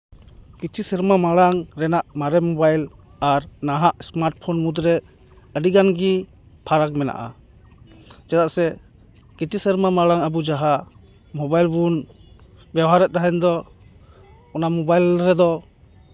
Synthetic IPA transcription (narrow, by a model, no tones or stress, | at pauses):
kit͡ʃʰisɛɾmamaɽaŋɾɛnaʔmaɾɛmɔbajl | aɾnaɦaʔsmaɾʈ̚pʰɔnmud̪ɾɛ | əɖiɡanɡi | pʰaɾak̚mɛna̰ʔa̰ | d͡ʒat̪aʔsɛ | kit͡ʃisəɾmamaɽaŋəbud͡ʒaɦa | mɔbajlbun | bjawɦaɾɛʔ̚t̪aɦɛnd̪ɔ | ɔnamɔbajlɾɛd̪ɔ